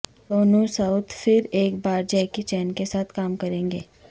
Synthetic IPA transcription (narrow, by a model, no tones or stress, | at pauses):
d̪oːnusɐʊt̪fɪɾeːkbaːɾd͡ʒɛɪkit͡ʃɛːnkesaːt̪ʰkaːmkɐɾẽːŋɡeː